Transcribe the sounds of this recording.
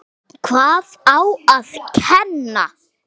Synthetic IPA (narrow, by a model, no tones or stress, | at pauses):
kʰvaːðawaðcʰɛnːa̰